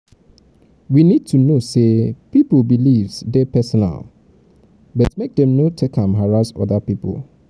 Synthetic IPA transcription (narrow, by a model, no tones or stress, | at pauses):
winid̚tʰunosepipl̩bilivsdɛpʰɛsɔna̰l | bɔtmek̚dɛ̃mnotʰekʰãmɦaɹasɔ̰ðapipʰl̩